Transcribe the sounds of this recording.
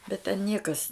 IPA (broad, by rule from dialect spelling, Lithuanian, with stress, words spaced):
bʲɛt tʲɛn ˈnʲiɛkɐs